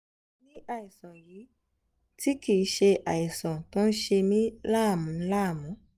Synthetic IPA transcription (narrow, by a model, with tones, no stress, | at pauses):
nĩ˦ʔa˨i˨sɔ̃˨jiː˨˦ | ti˦ki˨˦ʃe˧ʔa˨i˨sɔ̃˨tõ˦n̩˦ʃe˧mĩ˦la˦˨mũ˨˦la˦˨mũ˨˦